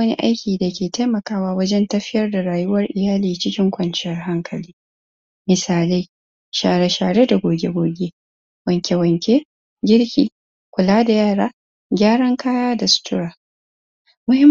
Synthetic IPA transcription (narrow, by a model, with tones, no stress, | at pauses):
ɐ˦nḭ˦ʔa̰˦jkʲiː˨da˨kʲeː˨ta˦jmɐ˨kaː˦waː˦wɐ˦d͡ʒɛ˦ntɐ˦ɸɪ˦jɐ˦rda˨ɽaː˨jʊ˦wɐ˦rʔɪ˨jaː˦liː˨t͡ʃɪ˦kʲɪ˦ŋkʷɐ˨nt͡ʃɪ˦jɐ˦rɦa˦ŋkʰɐ˨liː˦ | mɪ˨saː˨le˦ | ʃaː˨ɽe˦ʃaː˨ɽe˦da˨ɡʷoː˨ɡʲe˦ɡʷoː˨ɡʲe˦ | wɐ˨ŋkʲe˨wɐ˨ŋkʲe˦ | ɡʲɪ˦ɽkʲḭː˨ | kʷʊ˨laː˦da˨jaː˦˨ɽaː˦ | ɡʲaː˦ɽɐ˦ŋkaː˦jaː˦da˨sʊ̥˨tʊ˦ɽaː˨ | mʊ˦hɪ˦m